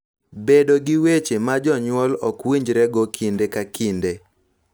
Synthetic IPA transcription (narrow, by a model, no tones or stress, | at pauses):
bedoɡɪwet͡ʃemad͡ʒɔɲwɔlɔkwiɲd͡ʒɾɛɡɔkʰindekakʰinde